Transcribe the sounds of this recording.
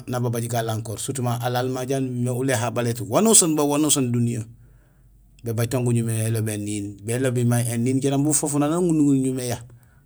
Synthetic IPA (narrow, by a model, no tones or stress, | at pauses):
nababaɟiɡalaŋkoːɾsutumaʔalalmaɟanmeuleɦabaletwanusonbawanusondunija | bebaɟtoŋɡuɲumeelobenːiːnbelobimaenːiːnɟanambufofunanaŋɡunuŋuɲumeja